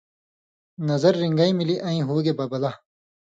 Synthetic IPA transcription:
nɐzɐɾːiŋɡaimiliʔɐ̃ːĩɦoːɡebɐbɐla

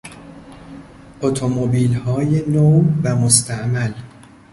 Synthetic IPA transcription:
ʔot̪ʰomobiːlhɒːjenowvæmost̪ʰæʔmæl

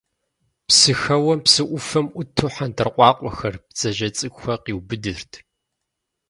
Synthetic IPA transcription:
psɨxɐwɐmpsɨʔʷʊfɐmʔʷʊtʰuːħantʰɨrqʷʼɑːqʷʼɔxɐrpz̥ɐʒɐt͡sʼɨɡʷxʷɐqiːwbɨdɨrtʰ

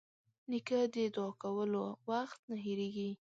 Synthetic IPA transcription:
nikəd̪əɪd̪ɑkawəlowaxt̪naɦeɾeɡi

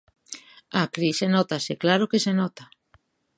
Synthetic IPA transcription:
akɾisenɔt̪aseklaɾokesenɔt̪a

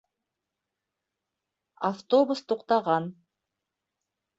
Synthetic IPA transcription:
aft̪obust̪uqt̪ɑʁɑn

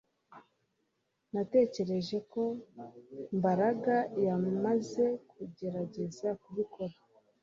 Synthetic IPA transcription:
nate̞ːce̞ɾe̞ʒe̞ko̞ | mbaɾaɡajamaze̞kuɟe̞ɾaɟe̞zakuβikʰo̞ɾa

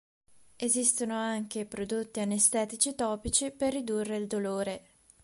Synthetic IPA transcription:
ezist̪onoaŋk̟epɾod̪ot̪ːianest̪ɛːt̪it͡ʃit̪ɔːpit͡ʃiperːid̪urːeild̪oloːɾe

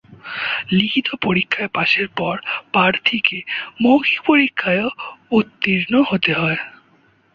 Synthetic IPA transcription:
likʰit̪opoɾikʰːaepaʃeɾpɔɾpaɾt̪ʰikemokʰipoɾikʰːaeout̪ːiɾnoɦot̪eɦɔe

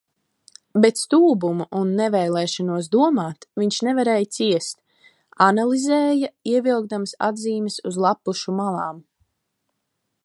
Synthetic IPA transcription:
bet̪st̪uːbumuʔunːɛvɛjlˠɛːʃɔnuɔsd̪uɔmaːt̪viɲʃnɛvaɾɛːjt̪siɛst̪ | analˠizɛːjaiɛvilˠɡ̚d̪amasa̰d̪ziːmɛsuzlˠapːuʃumalˠaːm

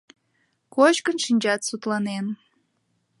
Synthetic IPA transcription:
kot͡ɕkənʃinʲd͡ʑɑt̪sut̪lɑnen

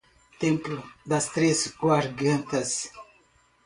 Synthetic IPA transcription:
t̪ẽmplʊd̪ɐst̪ɾesɡwaɾɡɐ̃nt̪ɐs

